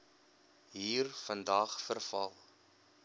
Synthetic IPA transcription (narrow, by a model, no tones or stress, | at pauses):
ɦiːrfəndɐːχfərfɐlˠ